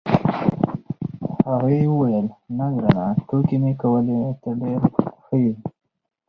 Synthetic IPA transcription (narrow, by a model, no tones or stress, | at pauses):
haɣaewəwajəlnaɡɾanaʈokimekawəlet̪aɖeɾxəji